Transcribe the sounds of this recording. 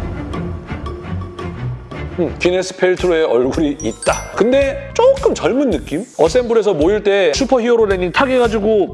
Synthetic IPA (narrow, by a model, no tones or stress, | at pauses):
pine̞s͈ʰɯ̥pʰe̞ɭtʰɯɾoe̞ʔʌɭɡuɾiːt̚t͈akɯnde̞t͡ɕ͈ok͈ɯmt͡ɕʌɭmunːɯk͈imʌs͈e̞mbuɾe̞sʰʌmoiɭt͈e̞sʰupʰʌɦioɾoneɲintʰaɡe̞ɡad͡ʑiɡo